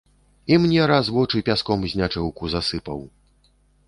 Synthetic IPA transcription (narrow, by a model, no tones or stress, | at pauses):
imnʲɛɾazvɔt͡ʂɨpʲaskɔmzʲnʲat͡ʂɛwkuzasɨpɐw